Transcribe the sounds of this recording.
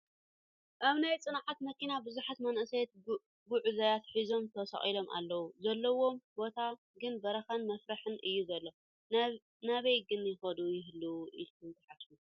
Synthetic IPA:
ʔaβnajt͡sʼɨnʕat̪mɐkʰinabɨzuħat̪mɐnʔɨsajɛt̪ | ɡuʕuzajat̪ħizo̞mt̪ʰɐsɐ̰χʼilo̞mʔa̰lːɐwuzɐlːɐwo̞mbo̞t̪ʰa | ɡɨnbɐɾɐxɐnmɐfɾaħɨnʔɨjːuzɐlːo | naβɐjɡɨnjɪxɐd̪ujɪɦɨlːuʔilkʰɨmt̪ʰɐħafu

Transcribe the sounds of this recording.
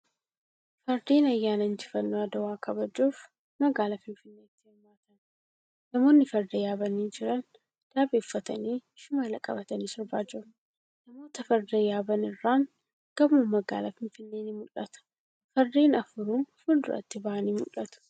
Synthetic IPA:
fɐɾd̪eːnɐjːaːnɐnd͡ʒɪfɐnːoːɐd̪ɐwaːkɐbɐd͡ʒuːf | mɐɡaːlɐfɪnfɪnːe̞ːt̪ːɪɛmːaːt̪ɐn | nɐmo̞ːnːɪfɐɾd̪ɐjaːbɐniːd͡ʒɪɾɐn | d̪̥aːbeːfːɐt̪ɐniːʃʊmɐlɐkʼɐbɐt̪ɐniːsɪɾbaːd͡ʒɪɾʊ | nɐmo̞ːt̪ɐfɐɾd̪ɐjaːbɐnɪrːaːŋ | ɡ̥ɐbmɐmɐɡa̰ːlɐfɪnfɪnːeːnɪmʊlʔɐt̪ɐ̥ | fɐɾd̪eːnɐfʊɾuːnfʊnd̪ʊɾʔɐ̰t̪ːɪbɐʔɐniːmʊlʔɐt̪ʊ̥

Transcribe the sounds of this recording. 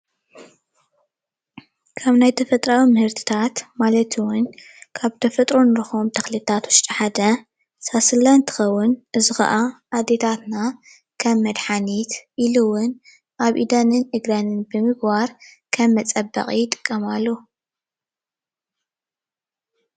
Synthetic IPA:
kʰaβnajt̪ʰɐfɐt̪ʼɾawimɨhɨɾt̪ʰɨ̥t̪ʰat̪malɐt̪ʰwʊn | kʰaβt̪ʰɐfɐt̪ʼɾonɨɾɨxo̞mt̪ʰɐxlit̪ʰːat̪wʊʃt̪ʼiħad̪ɐ | sasɨlant̪ʰɨ̥xɐwːʊnʔɨzɨxɐ̰ʔaʔːd̪et̪ʰat̪na | kʰɐmmːɐd̪ħanit̪ʔilɨwʊn | ʔaβʔid̪anɨnɨɡɾanɨnbɨmɨɡbaɾkʰɐmːɐt͡sʼɐbɐ̰qʼijɪt̪ʼɨ̥kʼːɐmalːo

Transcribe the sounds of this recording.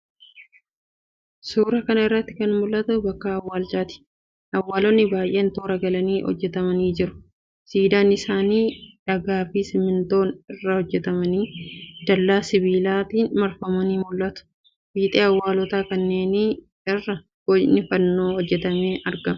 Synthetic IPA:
suːɾɐkɐnɐɪrːɐt̪ːɪkɐnmʊlʔɐt̪ʊbɐkːɐːwːaːlt͡ʃaːt̪ɪ̥ | ʔɐwːaːlɔnːɪbaːjʔe̞ːnt̪oːɾɐɡɐlɐniːhɔ̰d͡ʒːɛt̪ɐmɐniːd͡ʒɪɾʊ̥ | siːd̪aːnɪsaːniːᶑɐɡaːfiːsɪmɪnt̪o̞ːnɪrːɐhɔd͡ʒːɛt̪ɐmɐniːd̪̥ɐlːaːsɪβiːlaːt̪iːnmɐɾfɐmɐniːmʊlːɐt̪ʊ̥ | biːt̪ʼeːɐwːaːlɔt̪aːkɐnːe̞ːni | ɪrːɐ | ɡɔnɪfɐnːo̞ːhɔd͡ʒːɛt̪ɐme̞ːʔɐɾɡɐmɐ

